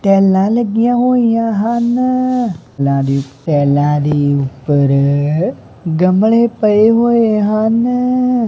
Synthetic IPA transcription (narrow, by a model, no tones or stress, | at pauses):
t̪ɛlãləɡjãɦoijãɦan | lãɾit̪ɛːlãɾiupəɾ | ɡəmɭepəeɦoːeɦan